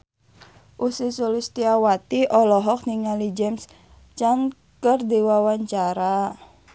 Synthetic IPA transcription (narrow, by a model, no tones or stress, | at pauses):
ʔusisolist̪iawat̪iʔɔlɔɦɔk̚niŋalid͡ʒɛms | t͡ʃan | kərd̪ewawaɲt͡ʃaɾa